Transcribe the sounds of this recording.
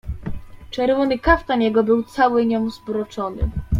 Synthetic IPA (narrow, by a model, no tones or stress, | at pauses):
t͡ʂɛɾvɔnɘkaft̪anjɛɡɔbɘwt̪sawɘɲɔmzbɾɔt͡ʂɔnɘ̰